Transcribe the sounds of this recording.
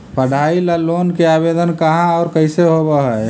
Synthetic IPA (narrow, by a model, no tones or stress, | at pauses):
pəɽ̤ʱailəlonkeabed̪ənkəɦãɔːɾkəɪseɦobəɦɛ